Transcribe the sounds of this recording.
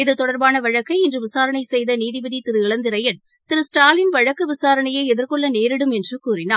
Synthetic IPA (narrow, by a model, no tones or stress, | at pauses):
ɪðɯt̪ɔɽɐɾbaːnɐʋɐɻɐkːɐɪɛndrɯʋɪsaːɾɐɳɐɪsɛjðɐniːðɪbɐðit̪ɪɾɯɪɭɐnd̪ɪɾɐjɐn | t̪ɪɾɯsʈaːlɪnʋɐɻɐkːɯʋɪsaːɾɐɳɐjeːɛðɪɾkɔɭːɐneːɾɪɽɯmɛndrɯkuːrɪna̰ː